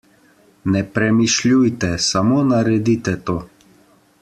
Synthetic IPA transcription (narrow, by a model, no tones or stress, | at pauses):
nɛpɾɛmiʃlʲujt̪ɛsamoːnaɾɛd̪it̪ɛt̪oː